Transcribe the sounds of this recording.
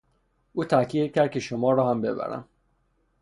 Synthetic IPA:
ʔuːt̪ʰækʰjiːd̪̚cʰʲæɾd̪̚cʰe̞ʃomɒːɾɒːhæmbe̞bæ̰ɾæ̰m

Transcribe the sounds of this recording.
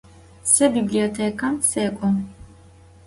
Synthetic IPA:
sɐbiblijɔt̪ʰɛkʰɐmsɛːkʷʼɔm

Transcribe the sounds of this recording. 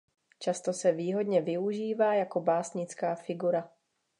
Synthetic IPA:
t͡ʃast̪o̞sɛviːɦo̞dɲɛvɪuʒiːvaːjako̞baːsɲɪt͡skaːfɪɡuɾa

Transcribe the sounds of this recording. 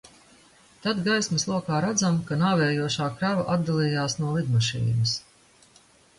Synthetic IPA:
t̪ad̪ɡajsmɐslˠuɔkaːɾad̪zamkanaːvɛːjuɔʃaːkɾavaʔad̪̚d̪alˠiːjaːsnuɔlid̪maʃḭːnɐs

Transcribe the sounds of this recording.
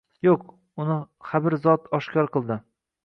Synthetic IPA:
joq | ʊnɪχabɪɾzɒt̪ʰɒʃkʲʰɒɾqʰɨlˠd̪ɪ

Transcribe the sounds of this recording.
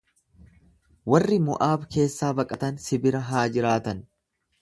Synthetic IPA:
wɐrːɪmʊʔaːbke̞ːsːaːbɐkʼɐt̪ɐnsɪbɪɾɐɦaːd͡ʒɪɾaːt̪ɐn

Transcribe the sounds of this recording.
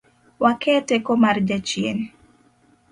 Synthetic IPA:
wakʰɛtɛkɔmard͡ʒat͡ʃjḛn

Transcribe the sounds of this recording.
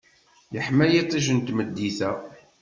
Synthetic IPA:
jəħmæjit̪ˤːiʒənt̪məd̪ːiθæ

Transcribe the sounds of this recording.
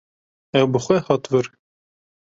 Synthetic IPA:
ɛwbəxʷɛhɑt̪vɨɾ

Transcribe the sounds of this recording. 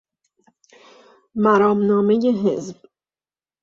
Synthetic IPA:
mæɾɒːmnɒːme̞jeɦezb̥

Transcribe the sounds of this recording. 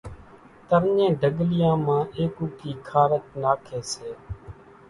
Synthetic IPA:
t̪əɾɲẽːɖʱəɠlɪjãːmãːʔeːkuːkʰiːkʰaːɾət͡ʃnaːkʰeːseː

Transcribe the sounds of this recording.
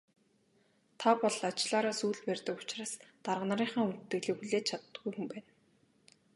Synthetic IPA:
t̪ʰapɔɮat͡ɕɮaːɾaːsuːɮpærʲt̪ə̆kʊ̥t͡ɕraːst̪arʁ̆năɾiːɴχaːŋunt̪t̪ːɘ̆ɣɮiːxuɮeːt͡ɕʰat̪ːɡujxumpæːn

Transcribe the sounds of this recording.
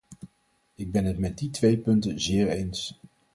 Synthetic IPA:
ɪɡ̚bɛnɦətmɛd̚ditʋejpɵntənzɪːɹejns

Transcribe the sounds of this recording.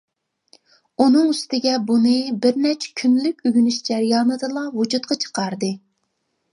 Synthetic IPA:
unɨŋyst̪ɪɡʲɛbunɨbɪɾnɛt͡ʃʰkʲʰynlykʲyɡʲynyʃd͡ʒɛɾjɑːnɨd̪ɨlˠɑwud͡ʒut̪̚qɑt͡ʃʰə̥qɑɾd̪ɨ

